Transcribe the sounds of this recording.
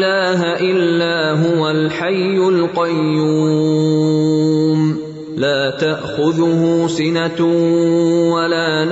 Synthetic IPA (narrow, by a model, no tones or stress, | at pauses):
laːɦaʔɪlːaːɦʊwalħajːʊlqɑjːuː | m | laːt̪aʔxʊðʊhʊsɪna | walaːn